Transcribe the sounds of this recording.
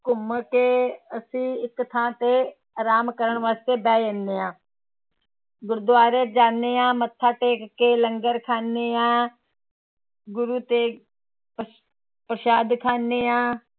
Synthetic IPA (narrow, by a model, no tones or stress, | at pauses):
kʊməkeːəsĩːɪkt̪ʰãːt̪eː | aɾaːmkəɾəɳʋaːst̪eːbɛːendeːãː | ɡʊɾd̪ʊaːɾeːd͡ʒaːneːãːmət̪ʰːaːʈeːkkeːləŋɡəɾkʰaːneːãː | ɡʊɾuːt̪eː | pɾəʃaːd̪kʰaːneːãː